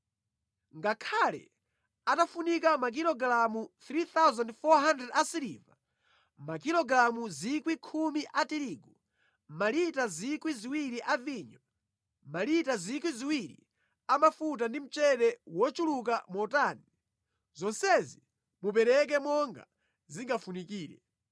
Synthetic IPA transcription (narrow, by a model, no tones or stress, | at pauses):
ŋɡakʰalɛ̰ | atafunikamak̬ilɔɡɾamut̪ɾit̪awzandfɔɦandɛdasiɾḭva | makilɔɡɾamuzikwikʰumiʔatiɾiːɡu | malitazikwiziwiɾiʔaviɲɔ | malitazikwiziwiɾḭ | amafut̬andim̩t͡ʃɛɗɛwɔt͡ʃuluk̬amɔtani | zɔnsɛzi | mupɛɾɛk̬ɛmɔŋɡa̰ | ziŋɡafunikiːɾɛ̰